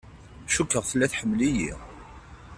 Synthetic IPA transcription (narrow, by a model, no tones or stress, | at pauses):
ʃukːəʁθəlːæθħəmːlijḭʁ